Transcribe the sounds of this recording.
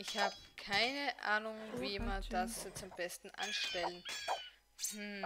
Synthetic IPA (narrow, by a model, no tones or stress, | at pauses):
ʔɪçhaːbəkʰaɪnəʔa̰ːnʊŋviːmand̥ast͡sʊmb̥ɛstn̩ʔa̰nʃtɛlən | h̩